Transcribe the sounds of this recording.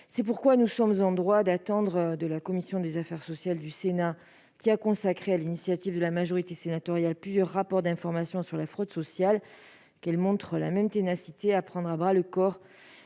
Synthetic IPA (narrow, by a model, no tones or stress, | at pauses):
sɛp̬uʁkwanusɔmzɑ̃d̪ʁwad̪at̪ɑ̃d̪ʁd̪əlakɔmisjɔ̃d̪ezafɛʁsɔsjald̪ysena | kʲiakɔ̃sakχealinisjat̪ivd̪əlamaʒɔʁit̪esenat̪ɔʁjalplyzjœʁːapɔʁd̪ɛ̃fɔʁmasjɔ̃syʁlafχɔd̪sɔsjal | kɛlmɔ̃t̪χəla̰mɛmt̪enasit̪eapχɑ̃d̪ʁabʁaləkɔʁ